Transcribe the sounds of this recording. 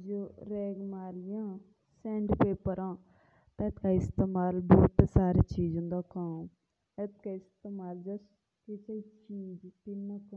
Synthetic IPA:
d͡ʒoːɾɛːɡmaːɾɪjãː | sɛːɳɖpeːpəɾãː | t̪ãet̪kaːɪst̪eːmaːlboːt̪ːsaːɾeːt͡ʃiːd͡ʒɦʊ̃nd̪aːkaːm | et̪kaːɪst̪eːmaːld͡ʒəs | kɪseit͡ʃiːd͡ʒt̪ɪnːãkː

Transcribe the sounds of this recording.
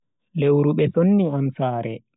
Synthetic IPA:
lewɾuɓɛsonːiansaːɾɛ

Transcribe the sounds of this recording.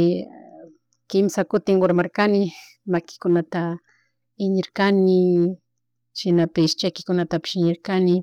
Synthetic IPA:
kɪmsakʊt̪ɪŋɢoɾmaɾkanɪ | makɪ̥kʊnat̪a | ɪɲɪɾkanɪ | ʃɪnapɪʃt͡ʃajkɪ̥kʊnat̪apɪ̥ʃɪɲɪɾkanɪ

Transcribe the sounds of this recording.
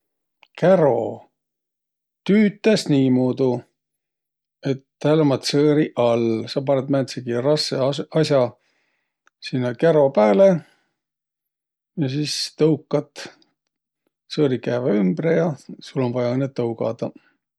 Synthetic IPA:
keɾo̞ | t̪yːt̪ːˑesniːmuːd̪u | e̞t̪hæːlomɑt̪sɤːɾiʔɑlsɑpɑɾet̪mæːnseɡiɾɑseɑsʲjɑ | sinːɑkeɾo̞pæːle | jɑsist̪ɤwkːˑɑt̪ː | sɤːɾikæːvɑymbrejɑsulːo̞nvɑjɑɤnːett̪ːɤwɡɑ̰d̪̥ɑ

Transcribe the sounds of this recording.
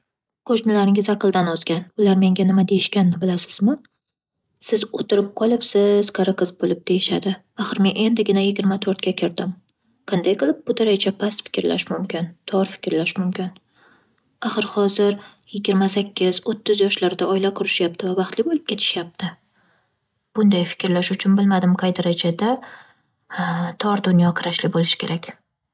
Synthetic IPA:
qʰoʃmɪlaɾɪŋʲɪzaqɨlˠd̪anɒzɡʲanʊlaɾme̞ŋɡʲanɪmad̪e̞jɪʃkʲanːɪbɪlasɪ̥z̥mɪ | sɪzot̪ʰɪɾɪp̚qʰɒlˠɪpsɪz̥qʰaɾaqʰɨzbolɪp̚d̪̥e̞jɪʃad̪ɪ | aχɨɾmenʔe̞nd̪ɪɡʲɪnajɪɡʲɪɾmat̪ʰoɾt̪kʲakʲʰɪɾd̪ɪm | qʰɑnd̪ajqɨlˠɪp̚bʊt̪ʰɪɾajt͡ʃʰapʰast̪fɪ̥kʲɾla̰ʃmʊmkʲɪnt̪ʰɒɾfɪ̥kʲʰɾlaʃmʊmkʲɪn | aχɨɾhɒzɪɾ | jɪɡʲɪɾmasakʲʰːɪz̥ot̪ʰːɪzjɒʃlaɾd̪aʔɒjlaqʰʊɾɪʃjap̚t̪ɪvavɑχt̪lɪbolˠɪp̚kʲʰe̞t̪ʰɪ̥ʃjap̚t̪ʰɪ | b̥ʊnd̪ajfɪ̥kʲɾlaʃʊt͡ʃʰʊnbɪlmad̪ɪmqʰɑjd̪aɾad͡ʒad̪a | t̪ʰɒɾd̪ʊnjɒqʰɨɾaʃlɪbolɪʃɪ̥kʲe̞ɾakʲ

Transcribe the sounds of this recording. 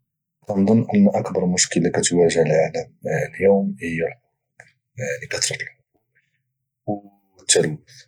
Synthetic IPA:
t̪ɑnd̪ˤɑnːʔənːʔɑkbɑɾˤmʊʃkəlakæt̪wæʒəhlʕaləmljuwmhəjːalħʊ | b | ʕnikæt̪ɾˤɑt̪əlħʊub | w | t̪ːæl

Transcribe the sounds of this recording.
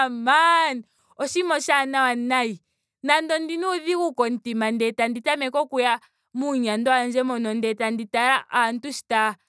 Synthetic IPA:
mani | ɔʃimɔʃanawanai | nandɔndinuðikukɔn̩timandɛtanditamɛkɔkuja | muɲandɔand͡ʒɛmɔnɔndɛtanditaɾaantuʃi̥ta

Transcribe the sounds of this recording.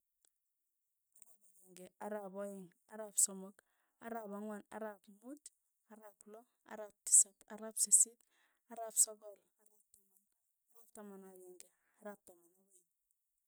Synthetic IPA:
aɾabajeŋɡeaɾaboiŋa̰ɾapsomok | aɾapaŋwana̰ɾapmud | aɾaplo | a̰ɾap̚ti̥sataɾapsesit | aɾapsoɡol | aɾap̚taman | aɾap̚tamanaβeŋɡe | aɾap̚tamanaβaiŋ

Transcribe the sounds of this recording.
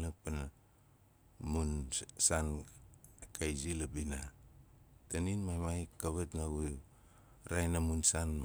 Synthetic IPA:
lak̚pana | munsan | kʰajzilabina | taninmajmajkaβatnaɡuj | ɾajnamunsanm

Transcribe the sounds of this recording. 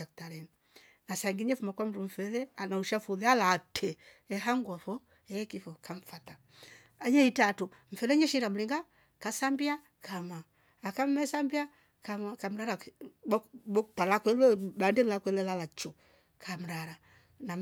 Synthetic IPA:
aktaɾɛni | nasaŋɡiɲɛfumakwam̩dum̩fɛlɛanauʃafuðɛalatʰɛ | ɛɦaŋɡwafɔ | ɛkifɔkaɱ̩fata | ajɛitatu | ɱ̩fɛlɛɲɛʃiɾam̩liŋɡa | kasambia | kamaː | kam̩mɛsambia | kakam̩ɾaɾa | bɔtalakɛlɛbandɛlakwɛlɛlalat͡ʃɔ | kʰam̩ɾaɾa | na

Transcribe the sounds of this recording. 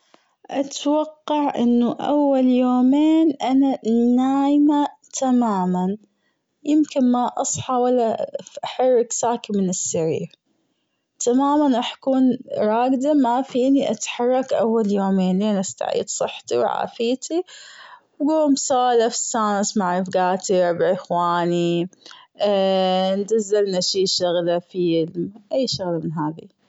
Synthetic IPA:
ʔat̪wɑqːɑʕʔɪ̰nːuʔawːaljoːmeːnʔananːaːjma | t̪ʰamaːman | jɪmkɪnmaʔɑsˤħɑwalːaʔaħɑrˤːɪksaːkimɪnɪsːaɾḭːɾ | t̪amaːmanʔaħakuːnɾˤɑːɡd̪amafiːniʔat̪ħɑrˤːɑkʔa̰wːaljoːmeːnleːnʔast̪a̰ʕḭːd̪sˤɨħːt̪iwʕa̰ːfiːt̪ʰi | wɡuːmsaːlafsːaːnsmaʕɾɪfɡaːt̪iɾbʕɪxwaːni | nd͡ʒ̪azːalnaʃiːʃʊɣlafilmʔajːʃʊɣlamɪnɦaːðḭ

